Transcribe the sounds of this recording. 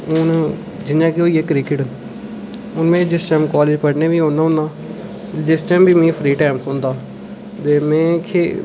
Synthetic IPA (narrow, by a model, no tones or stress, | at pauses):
ʊn | d͡ʒɪnjãːkeoːiːekɾɪkɪʈ | ʊnmẽːd͡ʒɪst͡ʃaːmkaːleːd͡ʒpəɽneːʋiːɦõːnaːɦʊnãː | t̪ed͡ʒɪst͡ʃɛːmbiːmẽːpʰɾiːʈaːmt̪õːnd̪aː | t̪eːmɛ̃ːkʰeː